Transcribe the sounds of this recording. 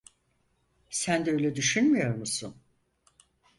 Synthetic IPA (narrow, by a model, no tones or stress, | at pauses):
sænd̪ɛø̞jlʲɛd̪yʃynmijo̞ɾmusun